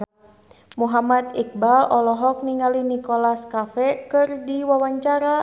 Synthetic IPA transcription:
muɦamat̪ik̚balɔlɔɦɔk̚niŋalinikɔlaskafɛkɨrdiwawaɲt͡ʃaɾa

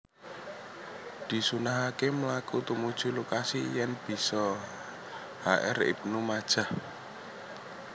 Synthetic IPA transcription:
d̪̥i̤sunaɦakemlakut̪umud̥ʒ̥ṳlokasijɛnb̥i̤sɔ | haʔɛ̰rḭp̚numad̥ʒ̥a̤h

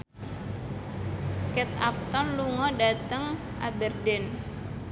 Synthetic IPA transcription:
kɛt̪a̰p̚t̪ɔnluŋɔdat̪əŋ | ʔabərdɛn

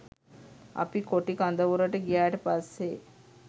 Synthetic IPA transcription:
a̰pikoʈikand̪əʋuɾəʈəɡijaːʈəpasːe

